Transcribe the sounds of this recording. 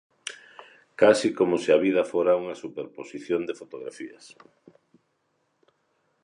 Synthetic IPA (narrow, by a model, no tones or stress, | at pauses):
kasikomosiaβiðɐfoɾauŋɐsupeɾposiθjond̪efot̪oɣɾa̰fiɐs